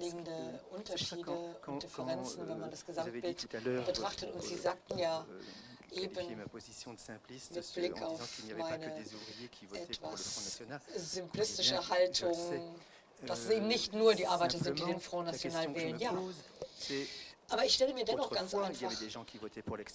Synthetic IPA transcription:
liːɡŋ̩dəʔʊntɐʃiːdəʊntd̥ɪfəʁɛnt͡sn̩vɛnmandasɡ̥əzamtb̥ɪltb̥ətʁ̥aχtətʊntz̥iːzaːk̚tn̩jaː | ʔeːbən | mɪt̚b̥lɪkʰaʊfmaɪnə | ʔɛtv̥as | zʏmplɪstɪʃəhaltʰʊŋ | d̥asɛseːbmnɪçtnuːɐdiːʔaɐbaɪtɐzɪnt̚d̥iːdenfʁ̥aʊnːat͡sjonaːlənvɛːlənjaː | ʔaːbɐɪçʃtɛləmiːɐdɛnɔχɡ̥ant͡sʔaɪnfaχ

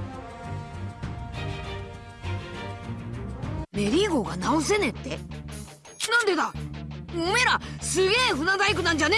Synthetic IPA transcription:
me̞ɾʲiɡo̞ɡanaos̬e̞ne̞t̪ːe̞̰ | nãnd̪e̞d̪a | ome̞ɾasɨɡe̞ːɸɯ̟nazaikɯ̟nãɲ̟d͡ʑane

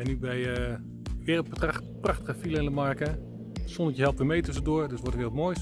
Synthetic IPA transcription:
ɛnybɛjə | ʋɪːrəlˠt̚bətrpraxtəɣəfilˠəɪndəmaɹkə | sɔndətjəɦɛlˠptʋɪːmejtøs̬ədoːɹdəsʋɔtəʋɪːrˠtmoːjs

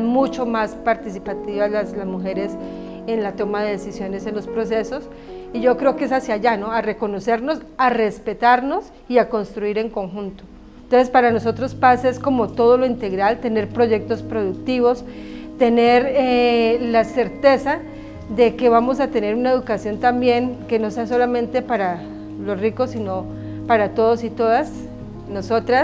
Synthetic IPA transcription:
mut͡ʃo̞maspaɾt̪isipat̪iβalaslazmuxe̞ɾe̞s | enlat̪o̞maðeðesisjo̞ne̞se̞nlo̞spɾo̞s̬e̞so̞s | iʝo̞kɾeokeesasjaʝano̞are̞ko̞no̞se̞ɾno̞sare̞spe̞t̪aɾno̞s | iako̞nst̪ɾuiɾe̞ŋko̞ŋxunt̪o̞ | nt̪onsespaɾano̞so̞t̪ɾo̞spaseesko̞mo̞t̪o̞ðo̞lo̞int̪e̞ɣɾalt̪e̞ne̞ɾpɾo̞ʝe̞k̚t̪o̞spɾo̞ðuk̚t̪iβo̞s | t̪e̞ne̞ɾelase̞ɾt̪e̞sa | d̪e̞ke̞βamo̞sat̪e̞ne̞ɾunaeðukasjo̞nt̪ambje̞ŋke̞no̞seaso̞lamẽ̞nt̪e̞paɾa | lo̞sriko̞sːino̞ | paɾat̪o̞ð̞osit̪o̞ðas | noso̞t̪ɾa

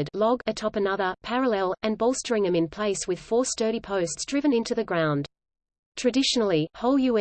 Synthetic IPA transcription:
dlɔɡɨtʰɑpɨnʌðə˞pʰæɹəlɛlˠɨ̃nbɔlˠstə˞ɪ̃ŋɨ̃mɨ̃npʰl̥eɪswɨð̥fɔɹstɜ˞ɾipʰəʊstsdɹɪvɨ̃nɪ̃ntʉðɨɡɹãʊ̃nd | tʰɹ̥ɨdɪʃn̩l̩ˠihoʊlˠjɨɛ̃

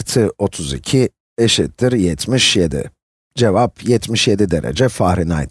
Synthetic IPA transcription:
ɾt̪ʰɯo̞t̪ʰuzḭcʰi | eʃit̪ʰːiɾjɛt̪ʰmiʃjed̪ḭ | d͡ʒevapʰjɛt̪ʰmiʃjed̪id̪eɾḛd͡ʒɛfaːɾina̰jt̪

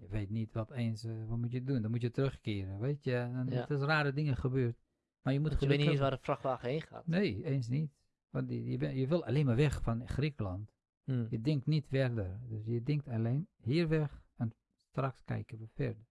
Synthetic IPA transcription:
jəʋeːtnitʋɔteːnsʋɔtmutjədundɔnmutjətərøxkɪːɾənʋeːtjəntɪsraːɾədɪŋəxəbøːrt | marjəmuttxəløkəsʋaːɾəfraxʋaːxeːxa̰ːtneːeːns̬nit | ʋɔntjəbjəʋɪlˠa̰leːnmarʋɛxfɔnxrikəlant | jədɪŋk̚tnitfɛrdərdøsjədɪŋktaleːnhiːərʋɛxɛn | strakskɛ̰jkənʋəfɛ̰rdə

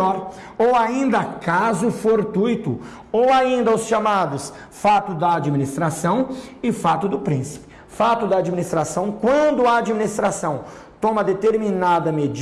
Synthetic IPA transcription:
ɔɾ | owaĩnd̪ɐkazʊfoɾt̪ujt̪ʊ | owaĩnd̪ɐʊsʃamad̪ʊs | fat̪ʊd̪ɐːd͡ʒiminist̪ɾasɐ̃w̃ɪfat̪ʊd̪ʊpɾĩsi̥pɪ̥ | fat̪ʊd̪ɐːd͡ʒiminist̪ɾasɐ̃w̃kwɐ̃nd̪ʊaːd͡ʒiminist̪ɾasɐ̃w̃ | t̪õmɐd̪et̪eɾminad̪ɐmed͡ʒ

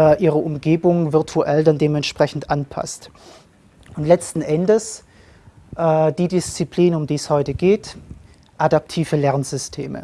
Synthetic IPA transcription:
ɛʔiːʁ̞əʔʊmɡeːbʊŋvɪɐtʰuʔɛldandeːmɛntʃpʁ̥ɛçn̩tʔanpʰa̰st | ʊntlɛt͡stn̩ʔɛndəs | ʔɛːd̥iːdɪst͡sipliːnʊmdiːshɔʏtəɡ̥eːt | ʔadap̚tʰiːvəlɛʁnzʏstʰeːmə̰

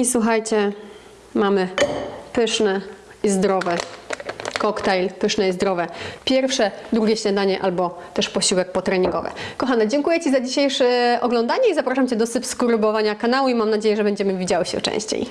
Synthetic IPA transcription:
iswuxajt͡ɕɛ | mamɘpɘʂnɛ | izd̪ɾɔvɛ | kɔkt̪ɛjlpɘʂnɛizd̪ɾɔvɛpʲjɛɾfʂɛd̪ɾuɡʲɛɕɲad̪aɲɛʔalbɔt̪ɛʂpɔɕiwɛk̚pɔt̪ɾɛɲiŋɡɔ̰vɘ̰kɔxanɛd͡ʑɛŋkujɛt͡ɕizad͡ʑiɕejʂɛʔɔɡlɔnd̪aɲɛizapɾaʂamt͡ɕɛd̪ɔsɘpskuɾubɔvaɲakanawuimamnad͡ʑejɛʐɛbɛɲd͡ʑɛmɘvʲid͡ʑawɘɕɛ̰t͡ʂɛ̰̃ɕt͡ɕḛj

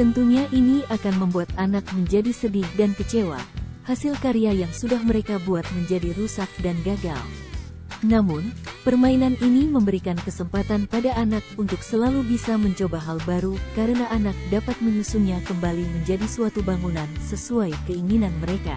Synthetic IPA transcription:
t̪ənt̪uɲaʔiniakanməmbuat̪̚anak̚məɲd͡ʒadisədɪhdankət͡ʃewa̰hasilkaɾiajaŋsudahməɾekabuat̪̚məɲd͡ʒadiɾusak̚danɡaɡa̰l | namunpərmainaniniməmbəɾikankəsəmpat̪anpadaʔːnak̚unt̪ʊksəlalubisaməɲt͡ʃobaɦalbaɾukaɾənaʔanak̚dapat̪̚məɲusuɲakəmbaliməɲd͡ʒadisuat̪ubaŋunansəsuajkəiŋinanməɾeka̰

